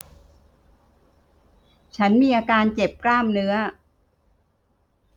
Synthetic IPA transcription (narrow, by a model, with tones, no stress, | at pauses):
t͡ɕʰa˦˥nmiː˧ʔaː˧kaː˧nt͡ɕe˨˩p̚klaː˥˩mnɯ˦˥ɐ